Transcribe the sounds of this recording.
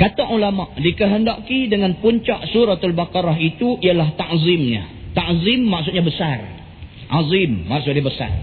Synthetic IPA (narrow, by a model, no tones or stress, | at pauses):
kat̪aŋulamaʔdikəɦəndaʔkidəŋãnpuɲt͡ʃaʔsuɾat̪albakaɾaɦit̪uijalaht̪aʔzimɲa̰ | t̪aʔzimːaks̬ut̪̚ɲabəsar | ʔazimːaksʊt̪ɲabəsa̰r